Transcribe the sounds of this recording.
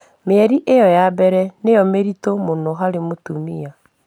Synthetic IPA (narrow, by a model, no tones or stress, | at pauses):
meɛɾiʔejɔjabɛɾɛnejɔmeɾitomonoɦaɾemotumia